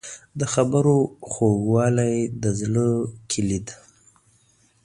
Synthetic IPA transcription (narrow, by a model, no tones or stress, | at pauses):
d̪əxabəɾoxoɡwɑlajd̪əzləkʰilid̪